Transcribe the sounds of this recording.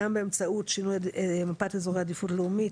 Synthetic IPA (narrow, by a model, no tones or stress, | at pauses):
ambɛmt͡saut̪t͡ʃinuɛɛmapat̪ɛzɔɡad̪ifuɾlumi